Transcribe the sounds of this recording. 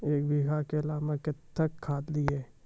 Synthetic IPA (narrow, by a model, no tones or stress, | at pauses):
eːk̚bʱiːɦakeɐlaːmakɪt̪ːəkʰːaːd̪d̪iɛː